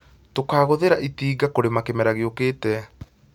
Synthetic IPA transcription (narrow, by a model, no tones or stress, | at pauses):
tokaːɣoðeɾaʔitiːɡakoɾemakemɛɾaɣeokeːtɛ